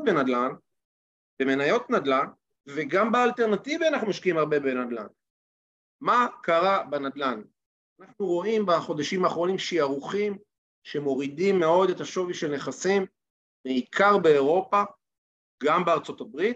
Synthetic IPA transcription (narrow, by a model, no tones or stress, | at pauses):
benad̪lan | be̞me̞najo̞t̪nad̪lan | ve̞ɡambealte̞ʁnativianaχnumaʃkiimaʁbebenad̪la̰n | makaʁabenad̪lan | anaχnuʁo̞imbaχo̞d̪aʃimaːχʁo̞nimʃiaʁuχim | ʃe̞mo̞ʁidimːe̞o̞de̞taʃo̞viʃelne̞χasimː | eikʰaʁbe̞ːʁo̞pa | ɡambeaʁt͡so̞tabʁit̚